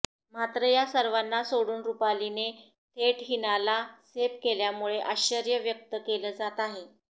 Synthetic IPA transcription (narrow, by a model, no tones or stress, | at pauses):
mat̪ɾəjasəɾʋanːasoɽuːnɾupaline | t̪ʰeʈɦinalasepkeljamuɭeʔaɕəɾjəʋjək̚t̪əkeləːd͡zat̪aɦe